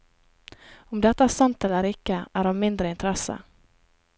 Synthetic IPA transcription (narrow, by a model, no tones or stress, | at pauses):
ɔmd̪ɛt̪ːasamt̪ɛlːəɾɪkːəæɖɔmːɪnd̪ɾəɪnt̪ʰɾɛsːə̰